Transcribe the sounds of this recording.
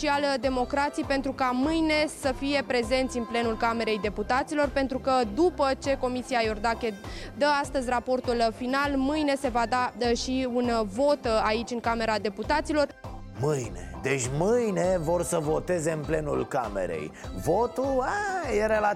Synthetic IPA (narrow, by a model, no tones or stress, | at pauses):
iald̪e̞mo̞kɾat̪sijpe̞nt̪ɾukamɨjne̞səfije̞pɾe̞ze̞nt̪sʲɨnple̞nulkame̞ɾe̞jd̪e̞put̪at̪silo̞rpe̞nt̪ɾukəd̪upət͡ʃe̞ko̞misiajord̪akʲe̞d̪əast̪əzʲrapo̞rt̪ulfinalmɨjne̞se̞vad̪aʃiunvo̞t̪ait͡ʃʲɨŋkame̞ɾad̪e̞put̪at̪silo̞r | mɨjne̞d̪e̞t͡ʃʲmɨjne̞vo̞rsəvo̞t̪e̞ze̞ɨnple̞nṵlkame̞̰ɾe̞̰jvo̞t̪uajeɾela